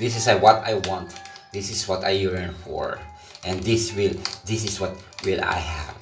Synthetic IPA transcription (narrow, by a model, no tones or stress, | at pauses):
d̪ɪs̬ɪsawʌt̪a̰jwɑ̃nt̪d̪ɪsɪswɔt̪ajlɛɹnfɔ̰ɹ | ʔɛ̃nd̪ɪswɪld̪ɪs̬ɪswʌt̪̚ | wɪla̰jhæ̰v